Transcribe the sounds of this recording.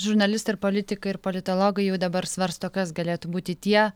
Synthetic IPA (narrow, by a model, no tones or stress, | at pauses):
ʒʊɾnɐlʲɪst̪ɐɪɾpoːlʲɪt̪ʲɪkɐɪɪɾpolʲɪt̪oːlˠoːɡɐɪjɛʊd̪ɐbɐɾsʋɐɾst̪okɐsɡɐlʲeːt̪ʊbuːt̪ʲɪt̪ʲiɛ